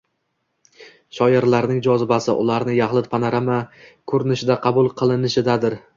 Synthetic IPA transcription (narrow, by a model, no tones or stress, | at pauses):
ʃɒjɪɾlaɾnɪŋd͡ʒɒzɪbasɪ̰ʔʊ̰laɾnɪjaχlˠɪt̪̚pʰanaɾamakʰɵɾɪnɪʃɪd̪aqʰɑbʊlˠqʰɨlˠɪnɪʃɪd̪ad̪ɪɾ